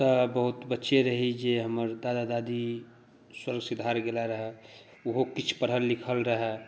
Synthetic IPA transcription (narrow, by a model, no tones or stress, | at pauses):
t̪əbəɦʊt̪bətːʃeɾəɦid͡ʒeɦəməɾd̪aːd̪ad̪ad̪i | swəɾɡsɪd̪ʱaɾɡelaɾəɦɛ | ʊɦokit͡ʃʰpəɽɦəlːikʰəlɾəɦɛ